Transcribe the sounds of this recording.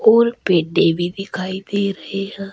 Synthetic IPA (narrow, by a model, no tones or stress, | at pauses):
oːɾpeːɖebʱiːd̪ɪkʰaːiːd̪eːɾəɦeːɦɛ̃ː